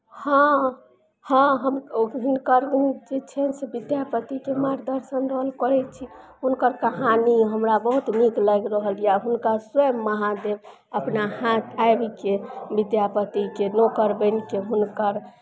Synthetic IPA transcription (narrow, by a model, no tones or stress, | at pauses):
hã | hãɦəmɦunkəɾd͡ʒet͡ʃʰɛnsebid̪japət̪ikemaɾd̪əɾsənɾəɦəlkəɾɛt͡ʃʰiɦunkəɾkəɦaniɦəmɾabəɦut̪mikləɡɾəɦəljaɦunkasəmːəɦãd̪eb | əpnahãt̪ʰaebkebid̪japət̪ikenokəɾbənikeɦunkəɾ